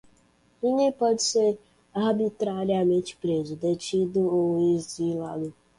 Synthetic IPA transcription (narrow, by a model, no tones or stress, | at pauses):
iɲepɔd͡ʒise | aɾbitɾaɾiamẽnt͡ʃi̥pɾezʊdet͡ʃid̪ʊowizilalʊ